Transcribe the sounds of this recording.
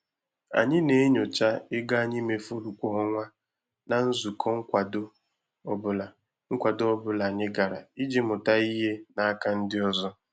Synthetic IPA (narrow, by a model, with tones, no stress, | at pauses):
a̰˨ɲɪ˦ne˨e˦ɲo˨t͡ʃa˦ɪ˦ɡa˦˨ɲɪ˦me˨fo˦ɾu˨kʷɔ˨ɦɔ˦ŋʷa˦ | na˨n̩˦zu˨kʰɔ˦ŋ̩˦kʷa˨do˦ | bʊ˨la˨ | ŋ̩˦kʷa˨do˦ɔ˦bʊ˨la˨ɲɪ˦ɡa˨ɾa̰˨i˦d͡ʒe˦mʊ˨ta˦i˦ɦe˦na˦a˦ka˦n̩˦dɪ˦ɔ˦zɔ˦